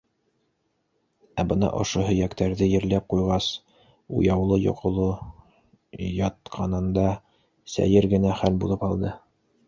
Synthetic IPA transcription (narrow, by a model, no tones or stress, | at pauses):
æbɤnɑ̰ʔŏ̰ʃoɦɵ̆jækt̪æɾðɘjɘ̆ɾlæp̚qujʁɑs | ṵjɑwlˠɤjo̰qʰŏlˠɤ | jɑt̪̚qʰɑnɤ̆nd̪ɑ | sæ̰jɘɾɡɘ̆næχælbulˠɤpɑlˠd̪ɤ